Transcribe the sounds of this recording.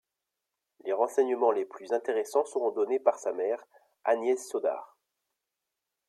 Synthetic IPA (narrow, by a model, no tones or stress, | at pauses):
leʁɑ̃sɛɲəmɑ̃leplyzɛ̃t̪eʁesɑ̃səʁɔ̃d̪ɔnepaʁsamɛʁ | anjɛsːɔd̪a̰ːʁ